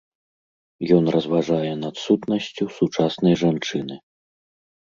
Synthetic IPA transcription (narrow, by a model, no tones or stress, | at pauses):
jɔnrɐzvaʐajɛnɐt̪sut̪nɐsʲt͡sʲusut͡ʂasnɐjʐant͡ʂɨnɨ